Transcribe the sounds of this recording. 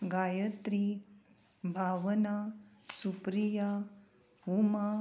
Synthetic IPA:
ɡajət̪ɾi | bʱaʋənasupɾija | ɦuma

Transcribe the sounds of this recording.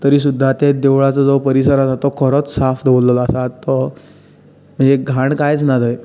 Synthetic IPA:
t̪əɾiːsud̪ʱːat̪ed̪eʋɭat͡sɔd͡zopəɾisəɾad͡zat̪ɔkʰəɾət͡ssafd̪ʱʋolːəlasat̪ːɔ | m̤əɳd͡zeɡʱaɳkajt͡snad̪əj

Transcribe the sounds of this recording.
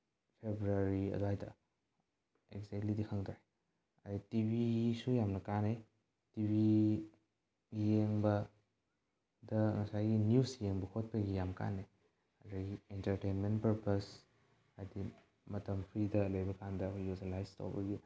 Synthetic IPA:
pʰebɾuaɾiɐ̰duajtɐ̰ | ekzek̚tlidikʰɐŋdae | aditibisujamnɐkane | tibi | jeŋbɐ | dɐŋɐsajɡinjusjeŋbɐkʰot̚pɐɡijamka̰ne | ɐdɐɡientɐɾtejnmentpɐɾpɐs | ajdi | mɐtɐmpʰɾidɐlɐjbɐkandɐkʰjuslajsto̰wbɐɡi

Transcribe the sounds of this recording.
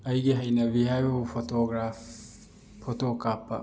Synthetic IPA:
ajɡeɦajnaβihaoufotoɡɾaf | fotokapa̰

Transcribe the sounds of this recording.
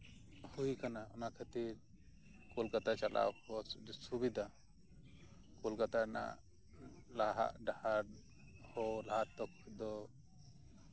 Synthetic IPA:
hujkanaɔnaʔkʰat̪iɾ | kɔlkat̪at͡ʃalʔa̰wkɔsubid̪ʱa | kɔlkat̪ana̰ʔ | laɦa̰ʔɖahaɾ | hɔlaɦat̪ɔk̚d̪ɔ

